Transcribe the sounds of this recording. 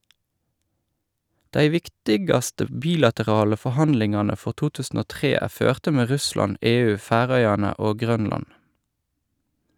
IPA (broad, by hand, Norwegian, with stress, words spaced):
ˈdæɪ ˈʋɪktɪɡɑstə ˈbiːlɑtəˌʁɑːlə fɔˈhɑnlɪŋɑːnə ˈfɔʁ ˈtuː ˈtʉːsn̩ ˈoː ˈtʁeː ˈæː ˈføːʁtə ˈmeː ˈʁʉslɑn ˈeːˌʉː ˈfæːˌʁœʏɑnə ˈoː ˈɡʁœnlɑn